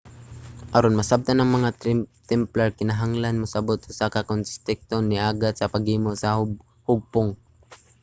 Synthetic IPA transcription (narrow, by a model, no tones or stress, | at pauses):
ʔɐɾonmɐsab̚t̪anɐŋmɐŋat̪ɛmplaɹkɪnaɦaŋlanmʊsɐbot̪̚ʔʊsakakonst̪ɪk̚t̪onːɪʔaːɡat̪̚sɐpaɡhiːmosɐ | hʊɡ̚pʊŋ